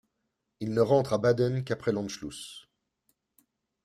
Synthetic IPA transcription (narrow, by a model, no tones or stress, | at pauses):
ilnəʁɑ̃t̪χabad̪ɛnkapχɛlɑ̃nʃlus